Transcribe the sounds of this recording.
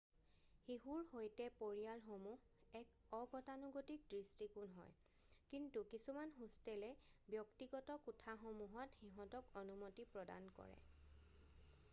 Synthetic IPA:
hiɦuɹhojtɛpoɹijalxomuh | ɛk | ɔɡɔtanuɡotik̚dɹistikunɦɔ̰j | kintukisumanxustɛlɛbjɔktiɡɔtɔkutʰaxomuɦɔtxiɦɔ̃tɔkonumotipɹɔda̰nkɔ̰ɹɛ̰

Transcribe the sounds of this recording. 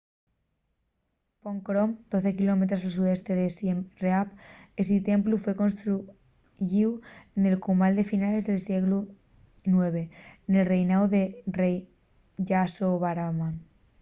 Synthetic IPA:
poŋkɾomd̪o̞θe̞kilo̞met̪ɾosals̬uðe̞st̪e̞ðesreapest̪it̪emplufwe̞konst̪ɾu | ʝiwene̞lkumald̪e̞finale̞zðelsjeɣlu | nwe̞β̞e̞ne̞lre̞jnawðerej | ʝasoβaɾama

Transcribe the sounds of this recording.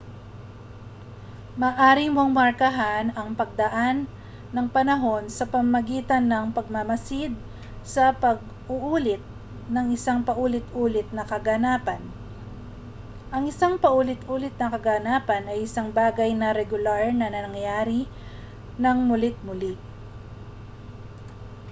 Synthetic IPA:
mɐːʔaːɾimo̞ŋmɐɾkɐɦanɐŋpɐɡ̚d̪ɐʔanː | ɐŋpɐnɐɦo̞nsɐpɐmmɐɡiːt̪ɐnːɐŋpɐɡ̚mɐmɐsɪd̪̚ | sɐpɐɡ̚ | ʔʊʔuːlɪt̪̚ | nɐŋɪsaŋpɐʔuːlɪt̪ʔuːlɪt̪̚nɐkɐɡɐnaːpɐn | ʔɐŋɪsaŋpɐʔuːlɪt̪ʔuːlɪt̪̚nɐkɐɡanaːpɐnɐjʔɪsaŋbaːɡɐjnɐɾɛɡʊlaɹnɐnɐŋjaːɾi | nɐŋmʊlɪt̪̚mʊli

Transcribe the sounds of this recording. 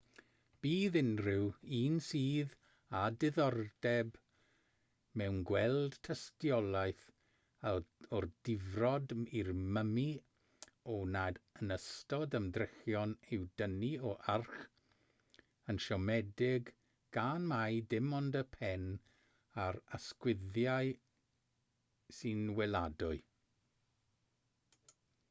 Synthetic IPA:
b̥iːðɪnrɪwiːnsiːð | adɪðɔrdɛb | mɛwnɡwɛlˠd̥tʰəstjɔlˠajθ | aɔrd̥ɪvrɔdirməmi | ɔnadənəstɔdəmdrɪxjɔnɪwdəniɔʔarχ | ənʃɔmɛdɪɡ | ɡ̥anmajdɪmɔndəpʰɛn | aɾaskwɪðjaɨ | sɨnwɛladʊɨ

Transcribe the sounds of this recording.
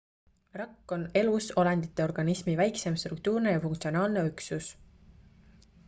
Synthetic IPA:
rɑkːo̞ne̞luso̞lɑnd̪̥it̪ːˑeo̞rɡ̥ɑnismivæjkse̞mst̪ɾuk̚t̪uːrne̞jɑfuŋkt̪sio̞nɑːlne̞yksus

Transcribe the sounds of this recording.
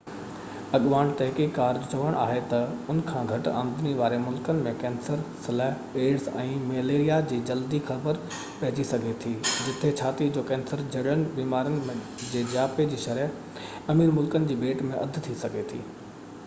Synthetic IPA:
ɐɠʋaːɽ̃t̪ɐɦkiːkːaːɾd͡ʑt͡ɕɐʋəɽ̃ʔa̰ːɦet̪ɐʊnəkʰãːɡʱɐʈa̰ːmd̪ɪniʋaːɾemʊlkənɪ̆mẽkɛ̃ːnsəɾsɪləɦ | eːɽsɛ̰̃ːmeːleːɾijad͡ʑiːd͡ʑɐld̪ixɐbəɾ | pɐɦɪd͡ʑisɐɡʱet̪ʰiːd͡ʑɪt̪ʰet͡ɕʰaːt̪id͡ʑoːkɛ̃ːnsəɾd͡ʑɐɽənɪ̆biːmaːɾənɪ̆̃ | d͡ʑeːd͡ʑaːped͡ʑiːʃɐɾə | ɐmiːɾmʊlkənɪ̆d͡ʑiːɓeːʈmẽʔɐd̪ʱt̪ʰisɐɡʱet̪ʰḭː

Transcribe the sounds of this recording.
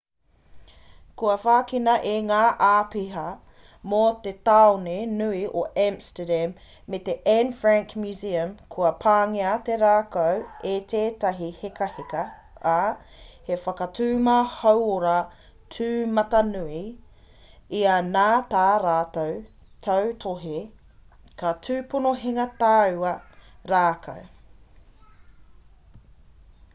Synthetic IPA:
kuɐfaːkinɐʔeŋaːʔaːpiɦɐ | mot̪et̪aonenuiʔoʔamstədæmː | et̪eʔɛnfɹaŋkmjuziɐmkʰuɐpʰaːŋiɐt̪eɾaːkowet̪ʰeːtɐɦihekɐhekɐ | a | hefɐkɐtʰʉːmɐhɐwoɾa | tʰʉːmɐtɐnui | iɐnaːt̪aːɾaːtow | tʰɐwtʰoɦe | kɐtʰʉːponoɦeŋɐt̪aːʉɐɾaːkʰɐ̰w

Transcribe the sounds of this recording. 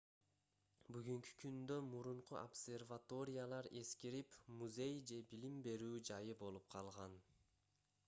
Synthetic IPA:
byɡyŋky̥kʰynd̪ø̞muɾuɴquobsʲe̞rvat̪o̞ɾʲɪjalˠɑɾe̞skiɾipmuzʲe̞jd͡ʒe̞bilimbe̞ɾyːd͡ʒɑjɯbo̞lˠup̚qʰɑlˠʁɑn

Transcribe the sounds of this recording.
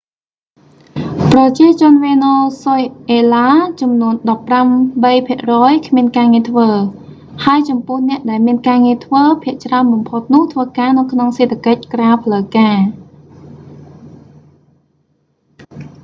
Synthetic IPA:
prɑt͡ɕiət͡ɕʊ̆ənʋeːnoːsojʔeːlaːt͡ɕɑmnuənɗɑpːramɓəjpʰiəʔrɔːjkʰmiənkaːŋiət̪ʰʋəː | haəjt͡ɕɑmpʊ̆əhnɛ̆əʔɗaɛlmiənkaːŋiət̪ʰʋəːpʰiəʔt͡ɕraənɓɑmpʰot̪̚nʊ̆əht̪ʰʋəːkaːnɨwkʰnoŋseːt̪ʰːakəc̚kraːpʰləwkaː

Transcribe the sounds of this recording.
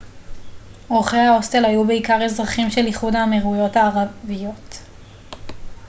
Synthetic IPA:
oʁχejhaostelajube̞ikaʁezʁaχimʃeliχudaːmeʁujo̞thaːʁavijo̞t

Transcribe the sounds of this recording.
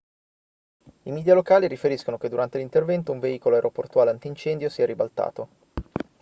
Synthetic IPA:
imid̪jalokaːliɾifeɾiskonoked̪ːuɾant̪elint̪ervɛnt̪ouɱveiːkoloaeɾʔoport̪uaːleant̪int͡ʃɛnd̪josiːaɾibalt̪a̰ːt̪o

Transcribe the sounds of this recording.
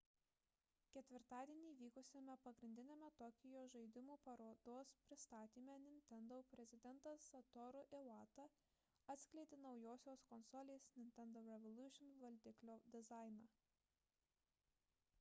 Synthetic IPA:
kʲɛt̪ʲʋʲɪɾt̪ɑːd̪ʲiɛnʲiːʋʲiːkʊsʲeːmʲɛpɐɡɾʲɪnʲd̪ʲɪnʲeːmʲɛt̪ɔkʲɪjoːʒɐɪd̪ʲɪmuːpɐɾoːd̪oːspʲɾʲɪst̪ɑːt̪ʲiːmʲɛnʲɪnʲt̪ʲɛnd̪opʲɾʲɛzʲɪd̪ʲɛnt̪ɐsɐt̪ɔɾʊʔɪʋɑːt̪ɐ | ɐt̪ʲsʲkʲlʲɛɪt̪ʲɪnɒʊjoːsʲoːskɔnsɔlʲeːsnʲɪnʲt̪ʲɛnd̪oːɾʲɛʋɔlˠʲuʃʲɪnʋɐlʲd̪ʲɪklʲoːd̪ʲɪzɑˑɪnɑː

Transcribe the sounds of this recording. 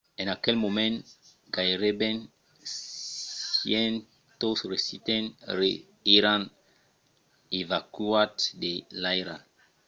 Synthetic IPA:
ẽnakɛlmõmɛ̃nɡajɾebẽn | jɛ̃n | t̪osɾesit̪ẽnɾe | iɾãn | evakuatdelajɾa

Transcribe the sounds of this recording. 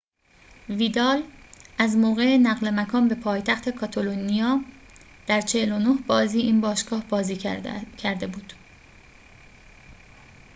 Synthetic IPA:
viːd̪ɒːlæzmoːɣe̞enæɣle̞mækʰɒːnbe̞pʰɒːjt̪ʰæxt̪ʰe̞kʰɒt̪ʰolonijɒː | d̪̥æɾt͡ʃʰe̞helo̞nohbɒːziːʔiːnbɒːʃɡ̥ɒːhbɒːziːcʰæɾd̪e̞buːd̪̥

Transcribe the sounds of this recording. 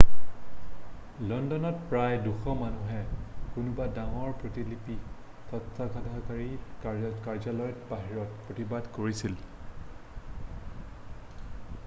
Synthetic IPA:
lɔndɔnɔt̚pɹajduxɔmanuɦɛkʊnʊbadaŋɔɹpɹotilipi | tɔtʰːakadʱakaɹikkaɹzalɔjɔtbaɦiɹɔt̚pɹotibadkoɹisil

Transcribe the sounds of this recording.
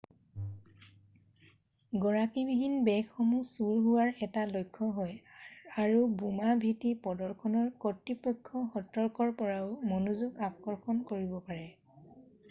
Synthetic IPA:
ɡɔɹakibiɦinbɛkːɔmusuɹɦʊwaɹɛtalojkʰːɔɦɔjaɹubumabʱitipɔdɔɹkʰɔnɔɹkɔtɹipɔkʰːɔxɔtɔɹkɔɹpɔɹaʊmɔnuzuɡapkɔɹxɔnkoɹibɔpaɹɛ

